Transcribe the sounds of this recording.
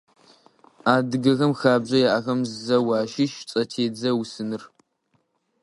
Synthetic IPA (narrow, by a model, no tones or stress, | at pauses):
aːdɨɡɐɣɐmxaːbʑʷɐjaʔɐxɐmzzɐwaːʃɪʃt͡sʼɐtʰeːd͡zɐwsɨnɨr